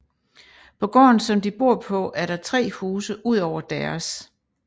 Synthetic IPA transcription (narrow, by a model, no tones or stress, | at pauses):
pʰɒ̽ɡ̥ɒ̰ːn̩sɒ̽md̥ib̥o̝ɐ̰pʰɒ̽ʔæɐɾ̥ɑ̈t͡sʰʁɛ̰ːhuːsəʔuð̞̰ˠɒʊ̰ɐd̥æɐs